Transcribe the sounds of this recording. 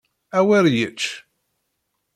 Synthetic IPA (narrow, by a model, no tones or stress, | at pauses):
æwæɾjət͡ʃː